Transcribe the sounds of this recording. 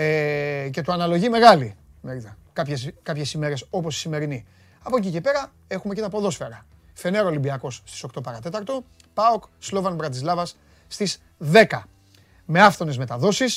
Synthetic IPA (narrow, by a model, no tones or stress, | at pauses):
ece̞t̪uɐnɐlo̞ʝime̞ɣɐlimeɾit̪ɐkɐpçeskɐpçe̞sime̞ɾe̞so̞po̞si̥sime̞ɾini | ɐpo̞c̬ice̞pe̞ɾɐ | e̞xume̞ce̞t̪ɐpo̞ðo̞sfe̞ɾɐfe̞neɾolibiɐko̞sst̪iso̞kt̪o̞pɐɾɐt̪e̞t̪ɐɾt̪o̞ | pɐokslo̞vɐnbɾɐt̪izlɐvɐsː | t̪iz | ðe̞kɐ | me̞ɐft̪o̞ne̞zme̞t̪ɐðo̞sis